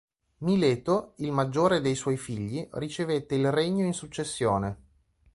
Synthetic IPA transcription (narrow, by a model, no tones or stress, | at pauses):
mileːt̪oilmad͡ʒːoːɾed̪ejswɔjfiʎːirit͡ʃevet̪ːeilreɲːoinsut͡ʃːesːjoːne